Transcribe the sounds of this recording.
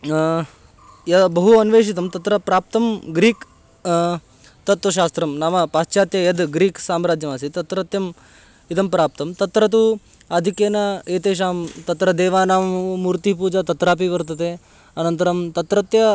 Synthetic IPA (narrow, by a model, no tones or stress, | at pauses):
jɐbɐɦuɐnʋeːʂ̬it̪̬ɐmt̪ɐt̪ɾɐpɾaːp̚t̪ɐmɡɾiːk | t̪ɐt̪ʋɐʃ̬aːst̪ɾɐmnaːmɐpaːst͡ʃjaːt̪jɐjɐd̪ɡɾiːksaːmɾaːd͡ʒjɐmasit̪ɐt̪ɾɐt̪jɐm | it̪ɐmpɾaːp̚t̪ɐmt̪ɐt̪ɾɐt̪̬u | ɐd̪ʱikeːnɐeːt̪eːʃ̬aːmt̪ɐt̪ɾɐd̪ɛːʋaːnaːmːuːɾt̪ip̬uːd͡ʒɐt̪ɐt̪ɾaːp̬iʋɐɾt̪ɐd̪e | ɐnɐnt̪ɐɾɐmt̪ɐt̪ɾɐt̪jɐ